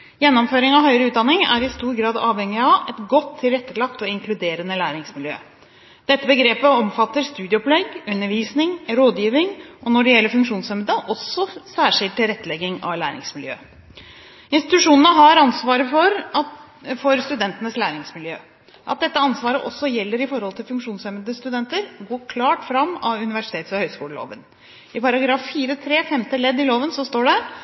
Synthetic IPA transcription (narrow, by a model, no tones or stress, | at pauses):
jɛnːɔmføːɾɪŋɑʋhœʏɾəʉːt̪d̪ɑnːɪŋæ̰ɾɪst̪uːɾɡɾɑːd̪ɑːʋhɛŋːɪɑɛt̪ɡɔt̪ʰːɪlɾɛt̪ːəlɑkt̪ɔɪŋkʰlʉd̪eːɾənəlæːɾɪŋsmɪljø̰ː | d̪̥ɛt̪ːəbəɡɾeːpəɔmfɑt̪ːəɾst̪ʉːd̪ɪəɔplɛɡʉnːəɾʋiːsnɪŋɾoːd̪jiːʋɪŋɔnɔɖɛjɛlːəfʉŋkʂuːnsœmd̪əʔɔsːɔsæːʂɪlt̪ːɪlɾɛt̪ːəlɛɡɪŋɑ̰ʋlæːɾɪ̰ŋsmɪljø̰ː | ɪnst̪ɪt̪ʉʂuːnənəɦɑɾɑnsʋɑːɾəfɔɾ | fɔɾst̪ʉd̪ɛnt̪ənəslæːɾɪŋsmɪljøː | ʔɑ̰t̪̚d̪ɛt̪ːəɑnsʋɑːɾəʔɔsːɔjɛlːəɾɪfɔɾhɔlt̪ʰɪlfʉŋkʂuːnsœməd̪əst̪ʉd̪ɛnt̪əɾɡoːkʰlɑːʈfɾɑmːɑʉnɪʋæʂɪ̥t̪ʰeːt̪sɔhœʏskuːləlo̰ːʋən | ɪpʰɑɾɑɡɾɑːfːiːɾət̪ʰɾeːfɛmt̪əlɛd̪ːɪloːʋənsɔst̪oːɖɛ